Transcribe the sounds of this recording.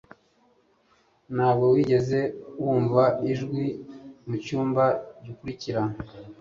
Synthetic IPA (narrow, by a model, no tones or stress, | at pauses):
nhaːbɡo̞wiɟe̞ze̞wuːɱvaiʒɡwimucuːmbaɟukuɾiciɾa